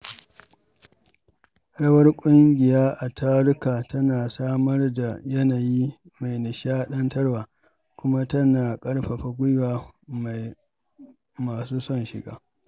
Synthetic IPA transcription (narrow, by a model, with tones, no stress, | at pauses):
ɐ˨ɽɐ˦wɐ˦rkʷʼʊ˦ŋɡʲɪ˨jaː˦ʔa˨tʰaː˦ɽʊ˦kaː˨tɐ˦naː˨saː˦mɐ˦rda˨jɐ˦naː˨jiː˦ | ma˨jnɪ˨ʃaː˦ɗɐ˦ntɐ˦rwaː˨ | kʷʊ˦ma˦tɐ˦naː˨kʼɐ˦ɽɸa˨ɸa˨ɡʷʊ˦jwaː˦ma˨ | maː˨suː˦sɔ˦nʃɪ̰˨ɡa̰ː˦